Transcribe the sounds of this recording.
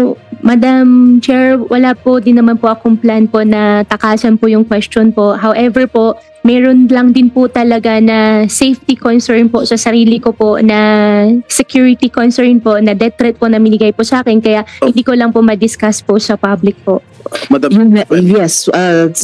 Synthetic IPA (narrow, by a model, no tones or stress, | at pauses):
omɐd̪amt͡ʃɛɹwɐlapod̪ɪnːɐmanpoʔɐkoŋplanpo̞nɐt̪ɐkaːsɐnpojʊŋkwɛst͡ʃonpoʔɦawʔɛvɛɹpoʔ | mɛːɾonlɐŋd̪ɪnpʊt̪ɐlɐɡanɐsejft̪ikonsɛɹnposɐsɐɾiːlɪkoponɐ | sɛkjuːɹɪt̪ikonsɛɹnponɐd̪ɛt̪ɾɛt̪̚ponɐmɪnɪɡajpʊsɐaːkɛnkɐjaʔhɪ̃nd̪iːkolɐŋpomɐd̪ɪskasposɐpablɪk̚poʔmɐjʊnjɛsɐ